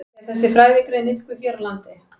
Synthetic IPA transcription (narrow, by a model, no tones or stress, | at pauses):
ɛ̥θɛs̬ːɪfɾaːjvɪkɾɪðnɪl̥kʏçjœɾlant̪ɪ